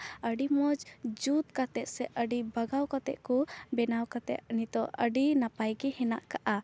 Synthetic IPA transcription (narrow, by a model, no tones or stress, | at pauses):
əɖimɔd͡ʒd͡ʒut̪̚kat̪ɛt̪̚sɛəɖibaɡawkat̪ɛ̰ʔ̪kubɛnawkat̪ɛ̰ʔ̪̚nit̪ɔʔəɖinapajɡɛhɛna̰ʔkaʔa